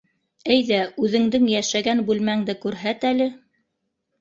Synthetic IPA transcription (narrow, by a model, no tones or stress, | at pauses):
ɘjðæʉðɘ̆ŋd̪ɘŋjæʃæɡænbʉlmæŋd̪ɘkʉɾɦæt̪ælɘ